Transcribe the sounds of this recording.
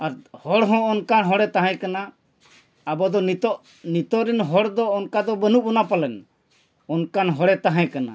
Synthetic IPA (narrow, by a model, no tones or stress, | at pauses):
aɾhɔɽɦɔ̃ɔnkanɦɔ̃ɽɛt̪aɦɛ̃kanaː | bɔd̪ɔnit̪ɔʔ | nit̪ɔɾinɦɔɽd̪ɔɔnkad̪ɔbənuʔ̚bɔnapalɛn | ɔnkanɦɔɽɛt̪aɦãkana̰